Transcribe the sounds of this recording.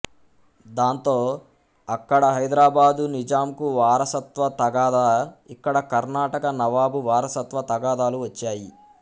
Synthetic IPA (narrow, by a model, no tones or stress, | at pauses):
d̪aːnt̪o̞ː | ɐkːɐɽɐɦɐjd̪ɾaːbaːd̪unid͡ʒaːmkuʋaːɾɐsɐt̪ʋɐt̪ɐɡaːd̪aːikːɐɽɐkɐɾnaːʈɐkɐnɐʋaːbuʋaːɾɐsɐt̪ʋɐt̪ɐɡaːd̪aːluʋɐt͡ʃːaːji